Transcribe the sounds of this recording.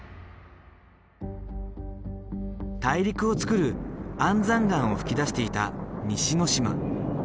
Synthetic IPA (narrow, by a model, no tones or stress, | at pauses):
t̪aiɾʲikɯ̟o̞t͡sɨ̥kɯ̟ɾɯ̟ãnd͡zãŋɡãɰ̃o̞ɸɯ̟̥kʲid̪aɕi̥t̪e̞it̪amʲiɕino̞ɕima̰